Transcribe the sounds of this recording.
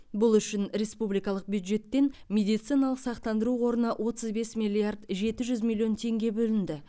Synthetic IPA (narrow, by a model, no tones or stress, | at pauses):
bʊlˠʏʃɪnɾe̞spublijkɑlˠəq̚bjud̪ʒe̞t̪ːe̞nmʲe̞d̪ijt̪sijnɑlˠəqsɑqt̪ɑnd̪əɾuwo̞ɾənɑʔwʔo̞t̪əzbe̞smʲilʲiard̪ʒe̞t̪ɪʒʏzmʲilʲˠːijo̞nt̪ʰe̞ŋɡʲe̞bɵlɪnd̪ɪ